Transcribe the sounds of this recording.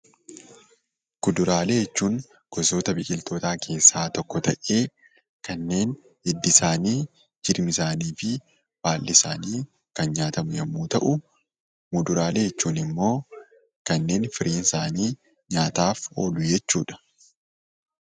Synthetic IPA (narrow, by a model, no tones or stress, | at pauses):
kʊd̪ʊɾaːleːjɛt͡ʃːuːŋ | kɔso̞ːt̪ɐbɪkʼɪlt̪o̞ːt̪aːkʰe̞ːsːaːt̪ɔkːɔt̪ɐʔe̞ː | kɐnːe̞ːn | ɪd̪ːɪsaːniː | d͡ʒɪɾmɪsaːniːfɪ | b̥aːlːɪsaːniː | kɐnɲaːt̪ɐmʊjɐmːuːt̪ɐʔʊ | mʊd̪ʊɾaːleːjɛt͡ʃːuːnɪmːo̞ː | kɐnːe̞ːnfɪɾʔiːnɪsaːniː | ɲaːt̪aːfo̞ːlʊjɛt͡ʃːuːᶑɐ̥